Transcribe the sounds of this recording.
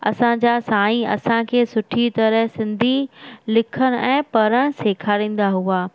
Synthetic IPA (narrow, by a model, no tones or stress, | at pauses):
ɐ̰sãd͡ʑaːsãːĩɐ̰sãkʰeːsʊʈʰit̪ɐɾəɦsɪ̃nd̪ʱilɪkʰəɽ̃̆ʔɛ̃ːpɐɾəɽ̃seːkʰaːɾĩːn̆d̪aɦuaː